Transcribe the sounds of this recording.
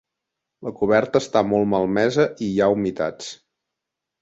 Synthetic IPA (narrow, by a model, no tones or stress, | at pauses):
ləkuβɛrt̪əːst̪amɔlˠməlˠmɛzəʔijaumit̪a̰t͡s